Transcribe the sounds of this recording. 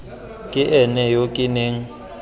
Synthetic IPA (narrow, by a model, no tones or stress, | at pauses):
kʼɪʔɛnɛjokʼɪneːŋ̩